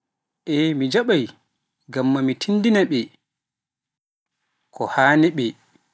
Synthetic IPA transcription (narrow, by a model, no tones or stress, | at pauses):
ʔɛmid͡ʒaɓaj | ɡamːamitʰindinaɓɛ | kʰɔhaːniɓɛ